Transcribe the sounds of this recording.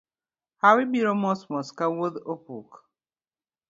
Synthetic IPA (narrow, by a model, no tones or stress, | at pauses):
hawibiɾɔmɔsmɔskawoðopuk